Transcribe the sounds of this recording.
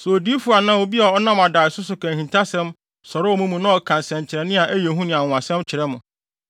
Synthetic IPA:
sɛ˨o˨di˦fu˨˦a˨nã˦wo˨bi˦a˨ɔ˦nã˦ma˨daː˨sʊ˦sʊ˨kʰæ̃˨hĩ˨ntʰa˦sɛ̃˦m | sɔ˨ɾɪ˦ɔ˦mũ˦mũ˨nã˦ɔ˨kʰã˨nsɛ̃˨ɲ˨t͡ɕʰɪ˨ɾɛ˨nɪ̃˦a˨ʔæ˦je˨ɦũ˦nɪ̃˨ã˨ʊ̃˨ã˨sɛ̃˦mt͡ɕʰɪ˨ɾɛ˦mʊ̃˨

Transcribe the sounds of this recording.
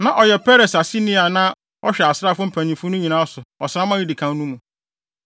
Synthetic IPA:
nã˨ʔɔ˨jɛ˨pʰɛ˦ɾe˨sa˨si˦nĩ˦a˨nã˦ | ɔ˦ɕᶣɛ˨a˨sɾa˦fʊ˦m̩˦pʰæ̃˨n˨ĩ˨fʊ˦nʊ̃˦ɲĩ˨nã˦sʊ˨ɔ˨sɾã˦mã˦ji˦di˨kʰã˨n˦nũ˦mũ˨

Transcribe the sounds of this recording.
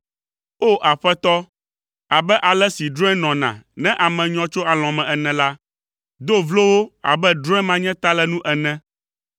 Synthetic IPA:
o˦ʔa˨ɸɛ˦t̪ɔ˦ | a˨bɛ˦ʔa˨lɛ˦si˨ɖɾɔ̃˦ɛ˦nɔ̃˨nã̰˨nɛ̃˦ʔa˨mɛ̃˨ɲɔ̃˦t͡ʃo˦a˨l̃ɔ̃˨mɛ̃˨ɛ˨nɛ̃˨la˦ | d̪o˦vlo˦wo˦a̰˨bɛ˦ɖɾɔ̃˦ɛ̃˦mã˦ɲɛ̃˦t̪a˦lɛ˦nũ˦ʔɛ˨nɛ̃˦

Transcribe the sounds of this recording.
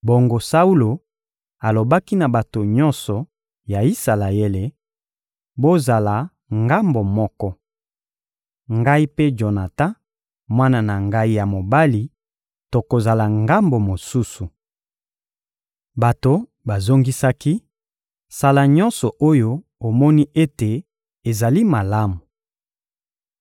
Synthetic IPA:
bo˨ŋɡo˨sa˦u˦lo˨ | a˨lo˨ba˦ki˦na˨ba˨to˨ɲɔ̃˦nsɔ˨ | ja˨i˦sa˨la˨e˦le˨ | bo˦za˨la˨ | ŋɡa˦mbo˨mɔ˦kɔ˦ | ŋɡa˦i˦pe˦d͡ʒo˨na˨tã˦ | mwa˦na˨na˨ŋɡa˦i˦ja˨mo˨ba˦li˨ | to˨ko˨za˨la˨ŋɡa˦mbo˨mo˨su˦su˨ | ba˨to˨ | ba˨zo˦ŋɡi˦sa˦ki˦ | sa˨la˨ɲɔ̃˦nsɔ˨ʔo˦jo˦ | o˨mɔ˦ni˦ʔe˦te˨ | e˨za˨li˦ma˨la˦mu˨

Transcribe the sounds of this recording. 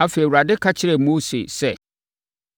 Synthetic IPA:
a˨fe˨i˨wu˨ɾa˨dɪ˦kʰa˦t͡ɕʰɪ˦ɾɛ˨mo˦sḛ˨sɛ˦˨

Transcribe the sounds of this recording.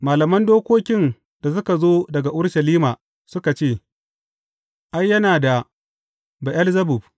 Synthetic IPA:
maː˨lɐ˨mɐ˦ndoː˦kʷoː˦kʲɪ˦n | d̥a˨s̬ʊ˦ka˨zoː˦dɐ˨ɡa˨ʔʊ˦ɽʃɐ˨liː˦maː˨ | sʊ˦ka˨t͡ʃeː˦˨ | ʔa˦jːɐ˦naː˨da˨ | ba˨ʔɐ˦lzɐ˦bʊ˨b̚

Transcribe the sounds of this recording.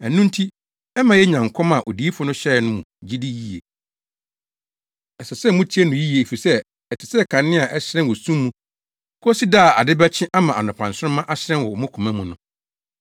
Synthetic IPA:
æ˨nũ˦n̩˦tʰi˦ | ɛ˦mã˨jɛ˦ɲã˨ŋ˨kʰɔ̃˦ma˨ʔo̰˨di˨˦i˦fʊ˦nʊ̃˦ɕɛ˦˨nʊ̃˦mũ˨d͡ʑi˦di˦ji˦ḛ˨ | ɛ˨sɛ˨sɛ˦mʊ̃˦tʰi˦ɛ˦nʊ̃˨ji˦je˨e˨fi˨sɛ˦ | ɛ˨tʰɪ˨sɛ˦˨kʰã˨nː˦ɪ̃˦a˨ʔɛ˦ɕɾɛ̃˦nwɔ˨sũ˦mːũ˦ | kʰʊ˦si˦daː˦˨a˨dɪ˦bɛ˦t͡ɕʰɪ̃˦ʔa˦mã˨a̰˨nɔ̃˨pʰã˨n̩˨sʊ˦ʊ̃˦mã˦ʔa˦ɕɪ˦ɾɛ̃˦nwɔ˨ɔ˨mʊ̃˦kʰʊ̃˨mæ̃˦mũ˨nʊ̃˦

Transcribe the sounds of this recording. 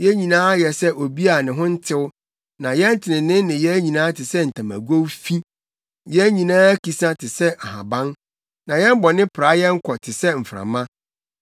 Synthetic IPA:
jɛ˦ɲĩ˨nãː˦jɛ˨sɛ˦ʔo˨bi˦a˨nɪ̃˨ɦʊ̃˦n̩˦tʰɪ˦wʊ˦ | nã˨jɛ˦n̩˦tʰɪ˨nɪ̃˨nɪ̃˦nɪ̃˨jɛ˦ɲĩ˨nãː˦tʰɪ˨sɛ˦n̩˨tʰã˨mæ̰˨ɡo˦wfi˦ | jɛ˦ɲĩ˨nãː˦æ˦ki˨sã˦tʰɪ˨sɛ˦a˨ɦã̰˨bã˦n | nã˨jɛ˦m˦bɔ˨nɪ̃˦pʰɾa˨˦jɛ˦ŋ̩˦kʰɔ˨tʰɪ˨sɛ˦m̩˨fɾã̰˨mã˦

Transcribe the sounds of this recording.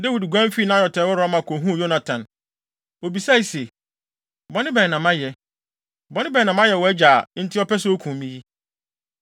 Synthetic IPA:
de˦wi˨dɡʷã˦m˦fi˦nã˦jɔ˨tʰɛː˨˦ɔ˦ɾɔ̃˨˦mã˨kʰo˨ɦũ˦˨jo˦na˨tʰã˨n | o˨bi˨sa˦i˨se˨ | bɔ˨˦nɪ̃˦bɛ˨nã˨mã˦jɛ˨ | bɔ˨˦nɪ̃˦bɛ˨nã˨mã˦jɛ˨wɔ˨æ˦d͡ʑaː˨˦n̩˦tʰɪ˦ɔ˦pɛ˦s̬ʊ˦o˦kʰũ˨mĩ˦ji˦

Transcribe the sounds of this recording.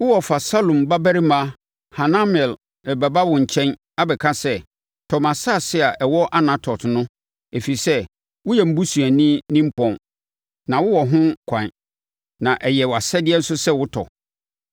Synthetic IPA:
wʊ˦wɔ˨fa˨sa˦lõ˨mba˦bæ˦ɾi˦mã˦ | ha˨nã˦m˨ɛ˨l | ɛ˨bɛ˨ba˦wʊ̃˨ɲ̩˨t͡ɕʰɛ̃˦n | a˦bɛ˨kʰã˦sɛ˦ | tʰɔ˨mã˨sa˦˨sɪ˦a˨ʔɛ˨wɔ˦ʔa˦nã˨tʰɔ˨tnʊ̃˦ | e˨fi˨i˨sɛ˦ | wʊ˦jɛ˨m̩˦bu˦su˨æ˨nĩ˦nĩ˦m̩˦pʰɔ̃˨n | nã˨wʊ˦wɔ˨ɦʊ̃˦kʷʰã˨n | nã˨ʔɛ˨jɛ˨wa˨sɛ˦dɪ˦ɛ˦n̩˦sʊ˦sɛ˦wʊ˦tʰɔ̰˨

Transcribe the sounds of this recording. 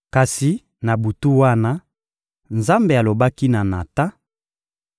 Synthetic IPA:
ka˨si˨ | na˨bu˨tu˦wa˦na˦ | nza˦mbe˨a˨lo˨ba˦ki˦na˨na˨ta˦

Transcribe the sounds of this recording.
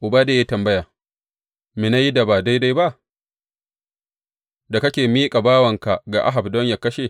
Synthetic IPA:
ʔʊ˨baː˦deː˨jaː˦tɐ˨mbɐ˦jaː˨ | mi˨na˦ji˦da˨baː˨da˦jda˦jba˦ʔ | da˨kɐ˦kʲeː˨miː˦kʼa˨baː˦wɐ˨ŋka˨ɡa̰˨ʔa̰˦ɦa˨bdɔ˦ɲja˨kɐ˦ʃe˨

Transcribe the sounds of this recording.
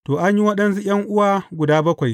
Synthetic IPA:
toː˨ʔa˦ɲji˦wɐ˦ɗɐ˦nsu˦j̰ʲɐ˦ŋʔʊ˦waː˨ɡʷʊ˨daː˦bɐ˦kʷa˨j

